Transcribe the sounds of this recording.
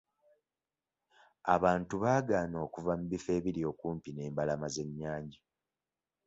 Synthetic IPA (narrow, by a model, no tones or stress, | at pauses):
aβaːntuβaːɡaːno̞ːkuvamuβife̞ːβiɾio̞ːkuːmpine̞ːmbalamaze̞ɲːaːɲɟa